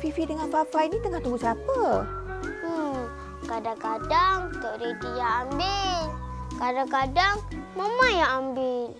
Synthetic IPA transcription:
fifidəŋanfafajnit̪əŋaht̪ubusapə | kadakadaŋt̪ɔʔɾet̪ijaambɪl | kadakadaŋməmajaambɪl

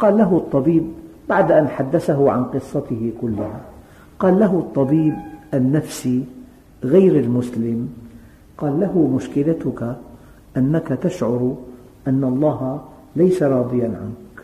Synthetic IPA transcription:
qɑːlːaɦʊt̪ˤːɑbiːbː | aʕd̪ʔanħad̪ːasaɦʊʕa̰nqɨsˤːɑt̪ɪhɪkʊlːɪha | qɑːlːaɦʊt̪ˤːɑbiːbʔanːafsi | ɣajɾalmʊslɪm | qɑːlːaɦʊmʊʃkɪlat̪ʊka | ʔanːakat̪aʃʕʊɾ | ʔanːaʔɑlˤːɑːɦ | lajsaɾˤɑːd̪ˤɨjanʕa̰nk

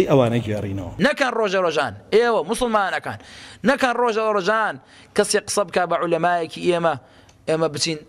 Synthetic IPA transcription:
jʔɐwaːnɐɡeːrḭːnɐ̰wɐ̰nɐkɐnroːʒɐɾoːʒaːnʔeːwɐmʊsʊlmaːnɐka̰ːnːɐkɐnroːʒɐɾoːʒaːn | kɐseqɨ̥sɐbɨkaːbɐʕʊlɐmaːjɐkiʔeːmɐ | ʔeːmɐbɨt͡ʃiːn

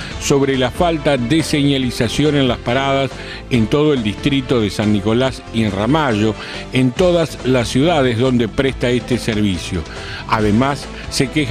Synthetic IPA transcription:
so̞βɾelafalt̪aðeseɲalisasjo̞nẽ̞nlaspaɾaðas | ent̪o̞ð̞oe̞ld̪ist̪ɾit̪o̞ðesanːiko̞lasinramaʒo̞ | ent̪o̞ðaslasːjuðaðezðo̞nd̪e̞pɾest̪aest̪eseɾβisjo̞̰ | aðemasː | e̞kex

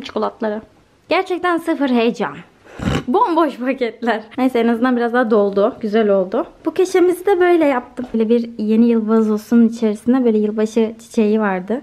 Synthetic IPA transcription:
t͡ʃʰu̥kʰolˠat̪lˠaɾɯ | ɟ̥æɾt͡ʃʰɛc̚t̪ʰænsɯfɯɾɦejd͡ʒam | bonboʃpʰacʰɛt̪lʲæɾ̥nejsɛenazɯnd̪anbiɾazd̪aɦːd̪o̞lˠd̪ʊɟyzælʲo̞lˠd̪ʊbucʰe̞ʃe̞mizid̪ɛbø̞jlʲɛjap̚t̪ʰɯmølʲɛbiɾje̞nijɯlˠbazosunnit͡ʃʰe̞ɾisind̪ɛbø̞jlʲɛjɯlˠbaʃɯt͡ʃʰi̥t͡ʃʰe̞jivaɾd̪ɯ

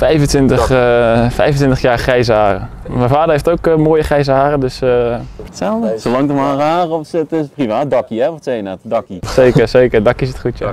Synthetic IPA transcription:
fɛjvəntʋɪntəxfɛjvəntʋɪntəχjaːɹχrɛjzəhaːrəmɛvfaːdəɹejftowkmoːjəχrɛjsəhaːrədøsətsɛlˠdəsolɑŋtəmhaːɾəaːrəɔfsətɪprivaːt̚dɑkiɛʋɔtsejənatdɑkisejkərseːkərdɑkisɪtχutjə

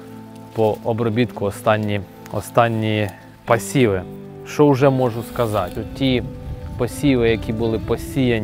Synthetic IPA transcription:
pɔʔɔbɾɔbʲit̪kʊɔst̪ɑnʲːi | ɔ̰st̪ɑnʲːi | pɐsʲiʋɪ | ʃt͡ʃɔwʒɛmɔʒʊskɐzɑtʲʊtʲipɐsʲiʋɪjɐkʲibʊlˠɪpɔsʲijɐnʲ

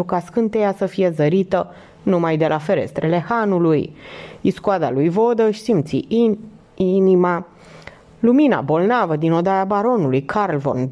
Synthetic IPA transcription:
ukaskɨnt̪ejasəfije̞zəɾit̪ə | numajd̪e̞lʔafe̞ɾe̞̰st̪ɾele̞hanulujiskuad̪a̰lujvo̞d̪əʃisimt̪sḭ | inima | lumina̰bo̞lnavəd̪ino̞d̪ajabaɾo̞nulujkʰarlvo̰n

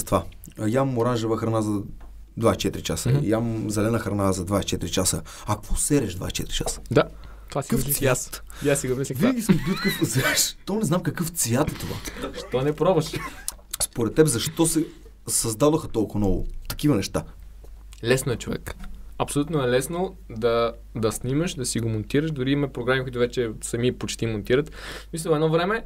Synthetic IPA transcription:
st̪va | jammoɾanʒɛvəxɾɐnazɐ | d̪vaɛst͡ʃɛt̪ɾit͡ʃasəjamzɛlɛnəxɾɐnazɐd̪vaɛst͡ʃɛt̪ɾit͡ʃasə | akosɛɾɛʒd̪va̰sʲt͡ʃɛ̰t̪ɾʲit͡ʃasə̥d̪a | t̪kəfsjat̪ | jasiɡomisvinɡʲismubit̪̚kəəsaʃt̪ɔnɛznamkɐkɤft̪svjat̪ɛt̪ova̰ʃt̪ɔnɛpɾovəʃ | spoɾɛt̪ːɛbɛzɐʃt̪ɔsɛ | sɐzd̪adɐxɐt̪ɔlˠkʊnɔvʊ̰t̪ɐ̥kivɐnɛʃt̪a | lɛsnoɛt͡ʃovɛ̰kɐpsolut̪noɛlɛsno | d̪ɐ | d̪ɐsnimɐʃd̪ɐsiɡomont̪iɾəʃd̪ʊɾimɛpɾoɡɾamikʊit̪ʊvɛt͡ʃɛsɐmipot͡ʃt̪imont̪iɾət̪mislʲəɛd̪nɔvɾɛmɛ

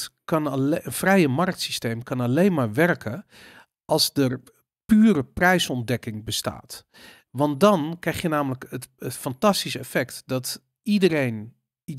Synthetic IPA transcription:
kɑnənfrɛjəmark̚tsistejmkɑnalejnmaːɹʋɛrkʰə | ʔɑlˠsdər | pyːrəprɛjsɔndɛkɪŋbəsta̰ːt | ʋɑnt̚dɔnkrɛjxjənaːmələkətətfɑntastisəɛfɛktdɔt | idərejn

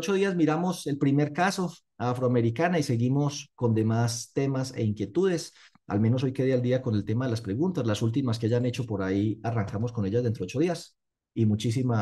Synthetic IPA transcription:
ot͡ʃo̞ðiazmiɾamo̞se̞lpɾime̞ɾkaso̞ | afɾoame̞ɾikanaise̞ɣimo̞sko̞nd̪e̞mast̪e̞mase̞̰iŋkje̞t̪uð̞e̞s | a̰lme̞no̞s̬o̞jke̞ðiald̪iako̞ne̞lt̪e̞maðe̞laspɾe̞ɣunt̪aslasult̪̬imas̬keaʝane̞t͡ʃo̞po̞ɾaiaraŋkamo̞sko̞ne̞ʝazðdent̪ɾeo̞t͡ʃo̞ðias | imut͡ʃis̬ima

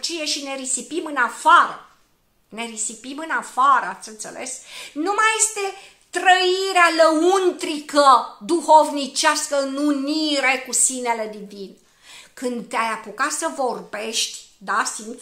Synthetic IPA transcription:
t͡ʃije̞ʃine̞ɾisipimɨnafaɾə | ne̞ɾisipimɨnafaɾəat̪sɨnt̪se̞̰le̞̰snumaje̞st̪e̞ | t̪ɾəiɾealəunt̪ɾikəd̪uho̞vnit͡ʃaskəɨnuniɾe̞kusine̞le̞d̪ivin | kɨnd̪t̪eajapukat̪səvo̞rbe̞ʃt̪ʲd̪asim

